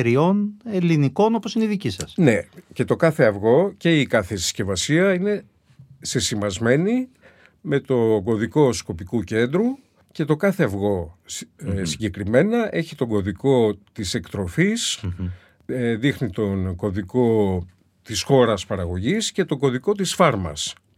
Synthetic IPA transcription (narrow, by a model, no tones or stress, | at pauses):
eɾio̞neliniko̞noposineiðicisɐsne̞ce̞t̪o̞kɐθeɐvɣo̞ce̞ikɐθe̥sce̞vɐsiɐine̞ | se̞simɐzme̞ni | me̞t̪o̞ɡo̞ðiko̞sko̞pikuce̞nd̪ɾu | ce̞t̪o̞kɐθe̞ɐvɣo̞ | siɲɟekɾime̞nɐʔe̞çit̪o̞ɡo̞ðiko̞t̪ise̞kt̪ɾo̞fis | ðixnit̪o̞nɡo̞ðiko̞ | t̪isxo̞ɾɐspɐɾɐɣo̞ʝisce̞t̪o̞ɡo̞ðiko̞t̪isfɐɾmɐ̰s